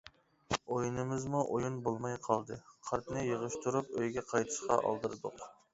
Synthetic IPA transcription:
ojunɨmɪzmuʔojunbolˠmɑjqʰɑlˠd̪ɨqʰɑɾt̪ʰnɨjəʁəʃt̪ʰuɾup̚øjɡʲɛqʰɑjt̪ʰɨ̥ʃqɑ̰ʔɑ̰lˠd̪ɨɾɨd̪ʊq

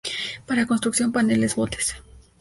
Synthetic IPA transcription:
paɾakonst̪ɾuksjo̞mpanelezbot̪e̥s

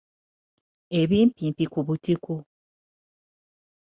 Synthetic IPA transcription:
eβiːmpiːmpikuβutiku

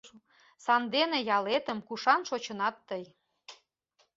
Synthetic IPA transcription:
sɑnd̪enejɑlet̪ə̆mkuʃɑnʃot͡ɕə̆nɑt̪ːəj

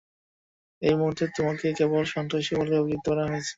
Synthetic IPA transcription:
ejmuɦuɾt̪ːet̪omaɾkekebolʃɔnt̪ɾaʃibʱoleoɡɡit̪̚ːɔɾaɦoet͡ɕʰe̥

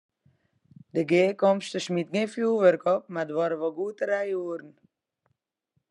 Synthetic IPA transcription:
dəɡeːkɔmstəsmit̚ɡefjuːʋəɾkɔp̚madəʋɔɾəʋɔɡuːtəɾɛjuːɾn̩

